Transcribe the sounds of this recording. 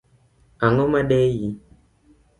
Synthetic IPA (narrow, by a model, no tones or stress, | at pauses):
aŋɔmaɗɛji